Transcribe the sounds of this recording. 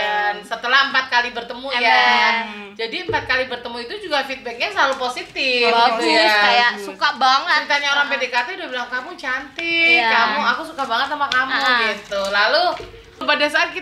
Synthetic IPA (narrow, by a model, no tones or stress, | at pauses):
ansət̪əlahəmpat̪̚kalibərt̪əmuja | d͡ʒadiəmpat̪̚kalibərt̪əmuit̪ud͡ʒuɡafit̪̚bɛk̚ɲasəlaluposit̪ɪfit̪ujajasukabaŋət̪ɾit̪aɲaoɾaŋpedekat̪ɛdabilaŋkamut͡ʃant̪ɪkamuakusukabaŋət̪̚namakamuɡit̪ulalu | padasaat̪̚ki